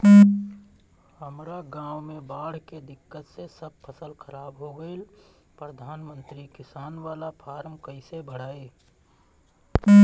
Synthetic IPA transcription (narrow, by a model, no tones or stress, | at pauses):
həmɾaɡãːwmẽbaːɽ̤ked̪ɪkːət̪sesəb̚pʰəsəlkʰəɾaːbɦoɡəil | pɾəd̪ʱaːnmə̃nt̪ɾikɪsaːnʋaːlapʰaːɾmkəɪsebʱəɽ̤aːe